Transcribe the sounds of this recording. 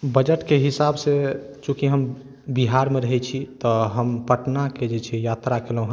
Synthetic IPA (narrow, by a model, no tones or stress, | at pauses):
bəd͡ʒəʈkeɦisabse | t͡ʃũkiɦəm | biɦaɾmeɾəɦɛt͡ʃʰit̪ɔɦəmpəʈnaked͡ʒet͡ʃʰɛjat̪ɾakelũɦ